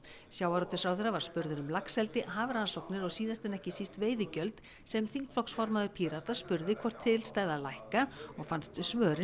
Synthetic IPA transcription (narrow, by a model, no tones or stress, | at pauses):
sjaːwaɾɔt̪ʏɾsawθɛɾːavaɾ̥spʏɾðʏɾʏmlaksɛlt̪ɪɦaːvɾansɔwknɪɾɔɣsiːðast̪ɪnɛhcɪsist̪veːjðɪcœlt̪ | sɛmθiŋkflɔksfɔɾmaðʏɾpʰiːɾat̪aspʏɾðɪkʰvɔr̥t̪ʰːɪlst̪aːjðalajhkaɔɣfanst̪svœːɾɪ